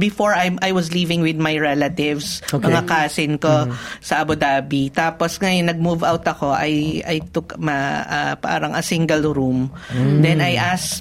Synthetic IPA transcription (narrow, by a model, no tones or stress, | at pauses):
bɪfoɹajʔajwɐslivɪŋwɪd̪̚majɹɛlɐt̪ɪvsomɐŋakaːsɪnkosɐʔɐbʊd̪aːbit̪aːposŋɐjonːɐɡ̚muvawt̪ɐko̞ʔɐjʔɐjt̪ʊkmɐapa̰ːɾɐŋʔɐsiŋɡɐlɾumd̪ɛnɐjʔas